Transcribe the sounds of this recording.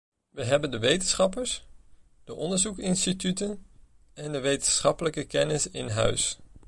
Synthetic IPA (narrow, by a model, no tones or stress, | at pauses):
ʋəɦɛbəndəʋejtənsχɑp̬əɹs | d̥əʔɔndəɹzukɪnstitytən | ɛndəʋejtənsχɑpələkəkɛnɪsɪ̰nɦœ̰ɥs